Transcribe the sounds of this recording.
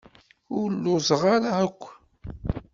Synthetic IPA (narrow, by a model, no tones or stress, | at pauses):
ʊɾlːʊzˤʁaɾaækʷː